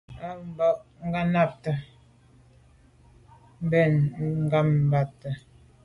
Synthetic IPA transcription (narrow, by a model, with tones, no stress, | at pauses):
a˦m˨bɔ˨ʔŋ̩˦ɡa˦na˦˨p̚tə˨ | m̩˦bɛ˦˨nŋ̩˦ɡa˦˨m˨ba˨tə˨